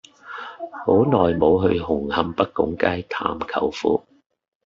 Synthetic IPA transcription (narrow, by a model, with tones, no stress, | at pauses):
ho˨˥wnɔː˨jmo˨˧wɦɵ˧ɥhʊ˨˩ŋhɐ˧mpɐ˥k̚kʊ˨˥ŋkaː˥jt̪ʰaː˨mkʰɐ˨˩wfṵː˨˧˥